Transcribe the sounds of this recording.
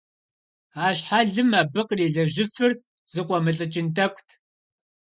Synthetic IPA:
aːɕħaɮɨmaːbɨqriːɮɐʑɪfɨr | z̥ɨqʷʼɔmɨɬʼɨt͡ʃʼɪntʰɐkʷʰʼtʰ

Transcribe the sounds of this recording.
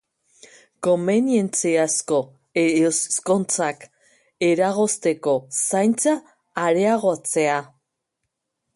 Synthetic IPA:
ko̞mbe̞nje̞nt͡siasko̞ | eosko̞nt͡sak | e̞ɾaɣ̞o̞st̪e̞ko̞sajnt͡saː | ɾe̞aɣ̞o̞t͡se̞a

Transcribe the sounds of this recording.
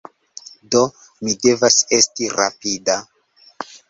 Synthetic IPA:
do̞ | mide̞vase̞stiɾa̰pida

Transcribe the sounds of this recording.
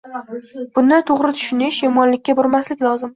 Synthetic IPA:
b̥ʊnd̪at̪ʰoʁɾɪt̪ʰʊ̥ʃɪnɪʃjɒmɒnlɪkʲːabɒɾmaslɪkʲlˠɒzɪm

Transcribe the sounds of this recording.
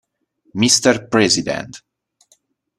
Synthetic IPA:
mist̪əɹpɹɛzid̪ɛ̰̃nt̪

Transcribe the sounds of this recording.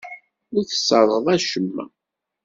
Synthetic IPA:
ʊɾθə̥sːəðˤəðˤæʃəmːæ̰

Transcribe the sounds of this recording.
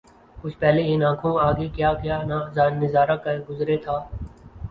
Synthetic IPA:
kʊt͡ʃʰpɛːleɪnãːkʰõːaːɡeːkjaːkɪjaːnaːzaːnːɪzaːɾakɐɡʊzɾeːt̪ʰaː

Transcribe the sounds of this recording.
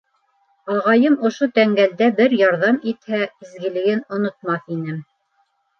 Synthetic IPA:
ɑʁɑjɤmŏʃot̪æŋɡæld̪æbɘɾjɑɾðɑmit̪hæizɡɘ̆lɘ̆ɡɘnŏnŏt̪̚mɑθinɘm

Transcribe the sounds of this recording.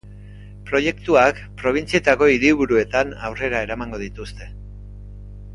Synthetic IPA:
pɾo̞je̞kt̪uak | pɾo̞β̞int͡sie̞t̪ako̞iɾiβuɾue̞t̪ana̰wre̞ɾae̞ɾamaŋɡo̞ð̞it̪ust̪e̞

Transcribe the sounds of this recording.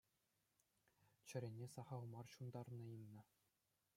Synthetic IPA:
t͡ɕɘ̆ɾʲenʲːesɑχɑlˠmɑrɕund̪ɑrnɤ̆imːɤ̆

